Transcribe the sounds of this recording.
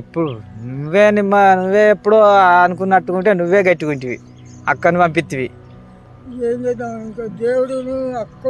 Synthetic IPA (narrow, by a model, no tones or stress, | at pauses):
ipːuɽunuʋːeːnimːɐnuʋːeːpːuɽoːɐnukunːɐʈːukuɳʈeːnuʋːeːɡɐʈːikuɳʈiʋḭ | ɐ̰kːɐnipɐmp̬it̪ːiʋi | eːɲd͡ʒɐd̪aiŋkaːd̪eːwuɽunuɐkːɐ